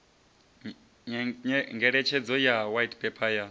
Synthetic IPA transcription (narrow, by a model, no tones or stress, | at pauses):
ŋɡɛɺɛt͡ʃʰɛd͡zɔjawajtpʰʼɛpʰaja